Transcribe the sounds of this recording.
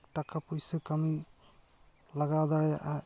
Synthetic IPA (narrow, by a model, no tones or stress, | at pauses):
kʈakapojsekami | laɡad̪aɹɛ